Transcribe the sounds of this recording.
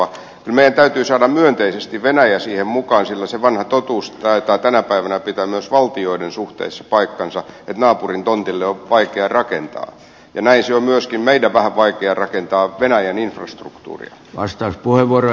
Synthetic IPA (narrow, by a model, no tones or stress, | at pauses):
ɑ | kylmeij̆ˑænt̪æyt̪yːsɑːdɑmmyønt̪eisest̪iʋʋenæjæsiːhemmukɑːnsilːæseʋɑnhɑt̪ot̪uːst̪æit̪ɑːt̪ænæpæiʋænæpit̪æmyøsʋɑlt̪ioidensuht̪ḛisːɑ̥pɑikːɑnsɑet̪nɑːpurint̪ont̪ilːeoʋɑikeɑrɑkḛnt̪ɑ̰ː | jɑnæinseommyøskimmeidæʋæhæʋʋɑikeɑrɑkent̪ɑːʋenæjæninfrɑst̪rṵkt̪ṵːrḭɑ̰ | ʋɑst̪ɑuspuheʋʋuoro